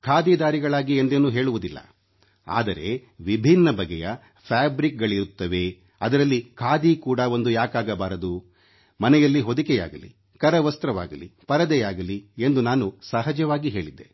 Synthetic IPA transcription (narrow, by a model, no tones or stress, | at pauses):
kʰaːd̪iːd̪aːɾiɡɐɭaːɡiend̪eːnuːɦe̞ːɭuʋud̪ilːɐ̰ | a̰ːd̪ɐɾe̞̰ʋibʱinːɐbʱɐɡɛjɐ | pʰaːbɾik̚ɡɐɭiɾut̪ːɐʋe̞ | ɐd̪ɐɾɐlːikʰaːd̪ikuːɽɐo̞nd̪ujaːkaːɡɐbaːɾɐd̪u | mɐnɛjɐlːiɦo̞d̪ikɛja̰ːɡɐlḭ | kɐɾɐʋɐst̪ɾɐʋa̰ːɡɐlipɐɾɐd̪ɛjaːɡɐlie̞nd̪unaːnusɐɦɐd͡ʒɐʋaːɡiɦe̞ːɭid̪ːe̞